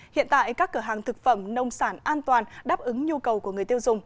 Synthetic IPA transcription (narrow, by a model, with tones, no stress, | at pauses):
hḭ˧˨ənt̪a̰ː˧˨jkaː˦˥kːəː˧˩ɦaː˨˩ŋt̪ʰɨ˨˩k̚fə˧˩mnə˧wŋ͡msaː˧˩nʔaː˧nt̪waː˨˩nɗaː˦˥p̚ʔɨ˨˦ŋɲu˧kə˨˩wku˧˩əŋɨ˨˩əjt̪i˧wzʊ˨˩ŋ͡m